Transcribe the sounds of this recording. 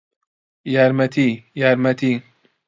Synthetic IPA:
jaːɾmɐt̪ʰijaːɾmɐt̪ʰi

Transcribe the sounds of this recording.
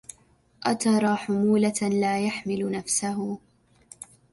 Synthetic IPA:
ʔat̪ɑɾˤɑːħʊmuːlalaːjaħmɪlʊnafsaɦʊ

